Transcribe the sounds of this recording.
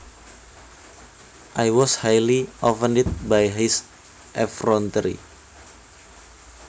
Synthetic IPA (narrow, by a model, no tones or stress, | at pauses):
ʔajwɔshajliɔpəndit̪̚bajɦis | ʔɛfrɔnt̪əɾḭ